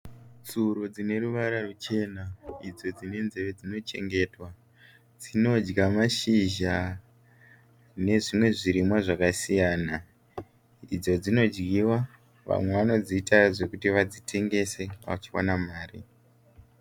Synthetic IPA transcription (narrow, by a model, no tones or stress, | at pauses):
t͡suɾod͡zine̞ɾuʋaɾarut͡ʃe̞naid͡zo̞d͡zine̞nze̞ʋe̞d͡zino̞t͡ʃe̞̰ŋɡe̞ːtwa | d͡zino̞d͡ʒɡamaʃiʒa | ne̞ʐimwe̞ʐiɾimwaʐakasijaːna | id͡zo̞d͡zino̞d͡ʒɡiwa | ʋa̰mwe̞ʋano̞d͡ziːtaʐe̞kutiʋad͡zitʰe̞ŋɡe̞se̞ʋa̰t͡ʃiwa̰namaːri